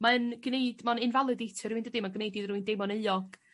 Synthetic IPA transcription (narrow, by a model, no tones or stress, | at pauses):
maənɡ̥nejd̥manɪnvalˠɨdejtʰɨɾuindədimaɡnejdiðruɨndemɔnəɨɔɡ̥